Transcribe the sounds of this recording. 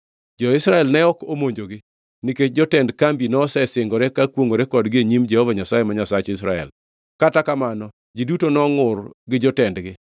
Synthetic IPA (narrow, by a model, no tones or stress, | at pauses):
d͡ʒɔɪsɾaɛlnɛɔkomoɲd͡ʒoɡɪ | niket͡ʃd͡ʒɔtɛndkambinɔsɛsɪŋɡɔɾɛkakwoŋoɾɛkɔdɡɪeɲimd͡ʒɛhɔvaɲasajemaɲasat͡ʃɪs̬ɾaɛ̰l | katakamanɔ | d͡ʒidutonɔŋʊrɡɪd͡ʒɔtɛndɡɪ